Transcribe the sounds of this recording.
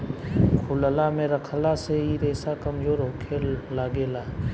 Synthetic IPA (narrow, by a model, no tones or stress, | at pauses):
kʰʊləlamẽɾəkʰəlaseiɾeːsakəmd͡ʒoːɾɦoːkʰelaːɡeːlaː